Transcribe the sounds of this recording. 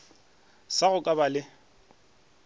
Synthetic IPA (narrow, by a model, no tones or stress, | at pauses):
saɣʊkʼabalɪ